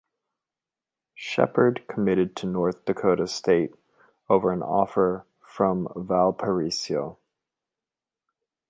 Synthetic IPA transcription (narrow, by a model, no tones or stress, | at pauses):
ʃɛ̰pə˞d̚kʰəmɪɾɨd̚tʰɨnɔɹθd̥ɨkʰoʊɾɨsteɪɾ | oʊvə˞ɨ̃nɔ̰fə˞ | fɹʌ̃ɱvælˠpʰə˞isioʊ